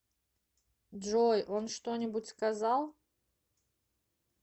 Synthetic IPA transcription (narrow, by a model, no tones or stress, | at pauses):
ʐojʔonʂt̪onʲɪbʊtʲskɐzalˠ